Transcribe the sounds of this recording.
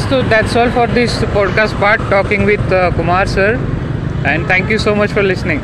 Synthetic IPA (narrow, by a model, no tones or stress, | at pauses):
tod̪æʈsɔlfɔːɾd̪ɪspɔɖkasʈ̚paɾʈʈɔːkĩŋɡʋɪd̪kumaɾsəɾ | ɛ̃ɳɖt̪ʰɛ̃ŋkjusoːmət͡ʃfɔɾlɪsnɪ̃ŋ